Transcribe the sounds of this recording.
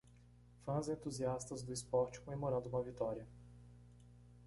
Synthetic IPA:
fɐ̃zẽnt̪uziast̪ɐzd̪ʊispɔɾt͡ʃi̥kõmẽmoɾɐ̃nd̪ʊũmɐvit̪ɔɾiɐ

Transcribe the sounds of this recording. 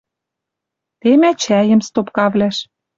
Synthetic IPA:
t̪emæt͡ɕæjə̆mst̪opkɑβlæʃ

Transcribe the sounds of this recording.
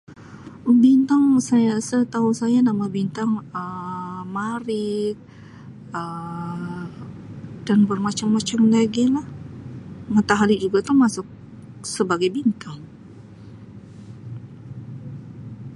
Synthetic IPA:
əbint̪aŋsajasət̪ausajanamabint̪aŋəmaɾɪk̚ | ə | d̥anbərmat͡ʃamːat͡ʃamlaɡilah | mat̪aɦalid͡ʒuɡat̪əhmasʊk̚ | səbaɡajbint̪aŋ

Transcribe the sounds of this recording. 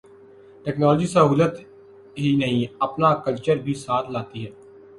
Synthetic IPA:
ʈɛːknɔːld͡ʒisəɦuːlət̪ | ɦinəɦĩəpnakəlt͡ʃəɾbʱisaːt̪ʰlaːt̪iɦɛː

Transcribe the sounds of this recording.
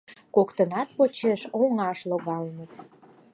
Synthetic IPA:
kokt̪ənɑt̪̚pot͡ɕeʃoŋɑʃloɣɑlnət̪

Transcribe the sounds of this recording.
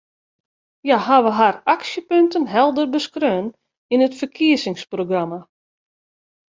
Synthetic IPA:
jaɦaʋəɦaraksjəpøntənɦɛlˠdərbəskrøːn | inətfərkʰiəsɪŋsproɡrama

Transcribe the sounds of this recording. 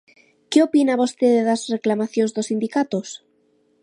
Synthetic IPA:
keopinaβost̪eðeðazreklamaθjõnzðosind̪ikat̪os

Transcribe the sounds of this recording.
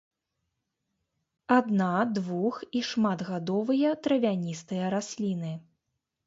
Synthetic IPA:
ad̪nad̪vuxiʂmad̪ɣad̪ɔvɨjɐt̪ɾɐvʲanʲist̪ɨjɐɾasʲlʲinɨ

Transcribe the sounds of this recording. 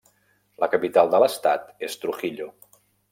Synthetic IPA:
ləkəpit̪alˠd̪ələst̪a̰t̪est̪ɾuxiʎo

